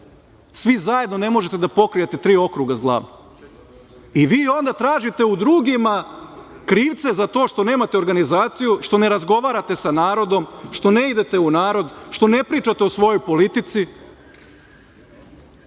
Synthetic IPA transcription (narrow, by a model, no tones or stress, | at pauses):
sʋizaje̞d̪no̞ne̞mo̞ʒet̪ed̪apo̞kɾijet̪e̞t̪ɾiːo̞kɾuɡazɡlˠa̰ːʋnom | iʋiːo̞nd̪at̪ɾaːʒit̪e̞ud̪ɾuːɡimakɾiːʋt̪se̞zat̪o̞ːʃt̪o̞ne̞ːmat̪eo̞ɾɡanizaːt̪sijuʃt̪o̞ne̞ɾazɡo̞ʋaːɾat̪e̞sanaːɾo̞d̪o̞mʃt̪o̞ne̞id̪e̞t̪e̞unaːɾo̞d̪ʃt̪o̞ne̞pɾiːt͡ʃat̪e̞osʋo̞jo̞jpo̞lit̪it̪si